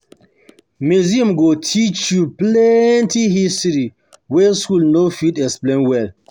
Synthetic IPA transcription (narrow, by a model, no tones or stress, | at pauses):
miziãmɡotʰit͡ʃjuplɛntihistɾi | wɛskulnofitɛksplẽnwɛl